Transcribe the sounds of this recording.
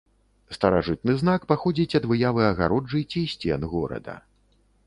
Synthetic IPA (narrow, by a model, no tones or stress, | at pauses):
st̪ɐɾaʐɨt̪̚nɨznakpaxɔd͡zʲit͡sʲɐd̪vɨjavɨɐɣa̰ɾɔd͡ʐɨt͡sʲisʲt͡sʲɛnɣɔɾɐ̰d̪ɐ̰